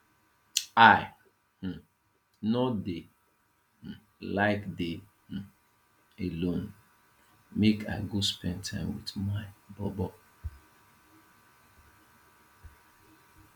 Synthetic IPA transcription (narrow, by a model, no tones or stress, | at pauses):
aɪ | h̩ | nɔde | h̩ | laɪkde | h̩ | elõn | meka̰ɪɡospɛ̃nd̚tʰãɪ̃mwitmaɪbɔbɔ